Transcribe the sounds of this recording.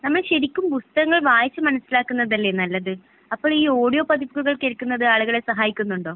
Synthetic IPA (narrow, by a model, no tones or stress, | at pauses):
nɐmːɐɭɕɐɾikʲːumbust̪ɐɐŋːɐɭʋaːjɐt͡ɕːɐmɐnɐsːilaːkːunːɐðɐlːe̞nɐlːɐðɨ | ɐpːo̞ːɭiːo̞ːɽijo̞ːpɐðibuɣuɣɐɭkeɭkːunːɐðɨaːɭuɣɐɭe̞sɐɦaːjikʲːunːuɳɖo̞ː